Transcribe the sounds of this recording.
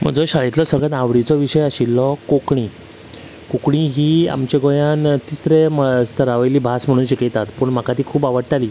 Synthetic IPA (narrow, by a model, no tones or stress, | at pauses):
m̤ə̰d͡zɔɕaɭit̪lɔsəɡɭat̪ãʋɽit͡sɔʋiɕəjaɕilːɔkokɳi | kokɳiɦiːa̰mt͡ɕeɡojant̪isɾeməst̪ʰəɾaʋajliːbʱasm̤əɽ̃ũːnɕikit̪at̪pəːɳm̤akat̪iːkʰuːpaʋəɽʈ̪aliː